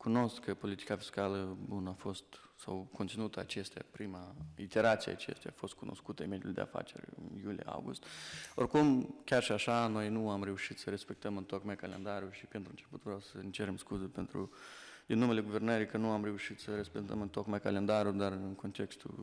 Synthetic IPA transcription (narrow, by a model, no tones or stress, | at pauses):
kuno̞st̪kʰːəpo̞lit̪i̥kafi̥skaləbunəafo̞st̪sawkʰont̪sinut̪əa̰t͡ʃest̪eja̰pɾimait̪e̞ɾat̪sijḛa̰t͡ʃe̞̰st̪eja̰ːfo̞st̪̚kuno̞skut̪əeme̞d̪ʲjulʲd̪ḛa̰fa̰t͡ʃe̞̰rʲɨ̰njulijḛa̰wɡṵst̪o̞̰rkumkʲarʃiaʃano̞jnuamɾe̞uʃit̪səɾe̞spe̞k̚t̪əmɨnt̪o̞kmajkale̞nd̪aɾjuʃipe̞nt̪ɾuɨnt͡ʃe̞put̪vɾawsəɨnt͡ʃeɾemskuzupent̪ɾṵd̪inːumele̞ɡuve̞rnəɾijkənuamre̞uʃit̪səɾespekt̪ə̰mɨnt̪o̞kmajkale̞nd̪aɾud̪arɨnko̞nt̪e̞kst̪ṵ